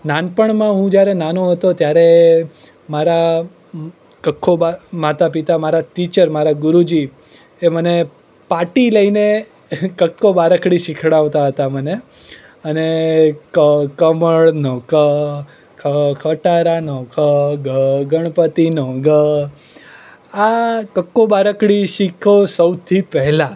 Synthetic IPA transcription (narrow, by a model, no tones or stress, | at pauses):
nanpəɳmãɦũd͡ʒjaɾenanoɦət̪ot̪jaɾe | maɾa | kəkʰːobamat̪apit̪amaɾat̪it͡ʃəɾmaɾaɡʊɾud͡ʒi | eməne | paʈiləine | kəkʰːobaɾəkʰɽiʃɪkʰɽaʋt̪aɦət̪aməne | ənekəkəməɭnokə | kʰəkʰəʈaɾanokəɡəɡəɳ̃pət̪inoɡə | akəkːobaɾəkɽiʃikʰosəwt̪ʰipɛɦla